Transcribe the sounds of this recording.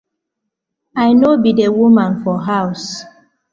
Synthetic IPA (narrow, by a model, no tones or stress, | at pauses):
ajnobidewumãnfɔɦaws